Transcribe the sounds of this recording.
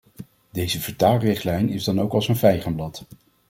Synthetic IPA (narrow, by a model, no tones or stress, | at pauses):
dejzəvəɹtaːlrɪχtlɛjnɪzdɑnowkɑlˠsənvɛjχəmblɑt